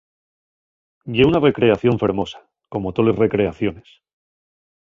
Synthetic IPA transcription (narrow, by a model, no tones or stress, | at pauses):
ɟ͡ʝeunare̞kɾe̞aθjo̞ɱfe̞ɾmo̞sḁ | ko̞mot̪o̞lesre̞kɾe̞aθjo̞nes